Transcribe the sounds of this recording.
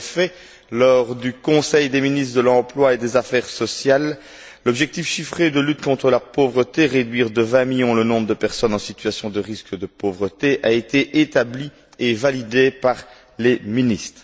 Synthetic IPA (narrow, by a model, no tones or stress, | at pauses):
fɛ | lɔʁd̪ykɔ̃sɛjd̪eminist̪χd̪əlɑ̃plwaed̪ezafɛʁsɔsjal | lɔbʒɛk̚t̪ifʃifχed̪əlyt̪̚kɔ̃t̪χəlapovʁət̪eʁed̪ɥiːʁd̪əvɛ̃miljɔ̃lənɔ̃bʁəd̪əpɛʁsɔnɑ̃si̥t̪ɥasjɔ̃d̪əʁiskəd̪əpovʁət̪eʔaet̪eʔet̪abli | evalid̪epaʁ | leminist̪χ